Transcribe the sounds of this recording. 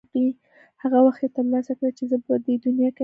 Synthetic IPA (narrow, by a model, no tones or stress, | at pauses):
qi | haɣawaxt̪jet̪əɾlɑsakɽat͡ʃezəbəd̪əd̪ʊnjɑka